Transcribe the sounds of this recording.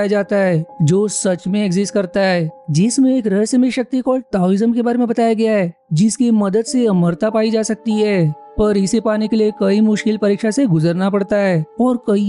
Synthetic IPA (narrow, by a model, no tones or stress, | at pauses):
jad͡ʒaːt̪aɦɛːd͡ʒoːsɐt͡ʃmẽeɡzɪsʈ̚kɐɾt̪aɦɛːd͡ʒɪsmẽeːkɾɐɦəsjəmẽʃɐk̚t̪ikɔːlʈaoɾɪzəmkebaːɾemẽbɐt̪aːjaɡɐjaɦɛː | d͡ʒɪskimɐd̪əd̪seɐməɾt̪apaːid͡ʒaːsɐk̚t̪iɦɛː | pɐɾɪsepaːnekeliekɐimʊʃkɪlpɐɾiːkʃaseɡʊzəɾnapɐɽt̪aɦɛːɔːɾkɐi